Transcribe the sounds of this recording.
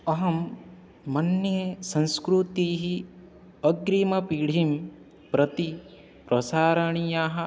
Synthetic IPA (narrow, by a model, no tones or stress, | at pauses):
ɐɦɐmː | ɐnjɐsɐ̃nskɾut̪iːɦi | ɐɡɾimɐpiɽ̤ʱim | pɾɐt̪i | pɾʔɐsaːɾɐɳijaːɦɐ